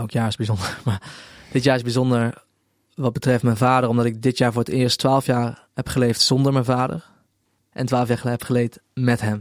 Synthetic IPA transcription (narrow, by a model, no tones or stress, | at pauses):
owkjaːɹɪzbizɔndəɹmaːɹd̥ɪtjaːɹɪzbizɔndəɹ | ʋɑd̚bətrɛftmɛnvaːdərɔmdɑtɪɡ̚dɪtjaːɹvʊːɹətɪːɹstʋaːlˠəfjaːɹ | hɛpχəlejftsɔndəɹmɛnvaːdə̰ɹ | ʔɛ̰ntʋaːləfjaːɹχɛpχəlejtmɛtɦɛm